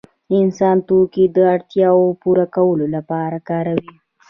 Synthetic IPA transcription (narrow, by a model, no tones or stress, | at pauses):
ɪnsɑnt̪okid̪əaɽt̪jɑwopuɾakawəlolapɑɾakɑɾawi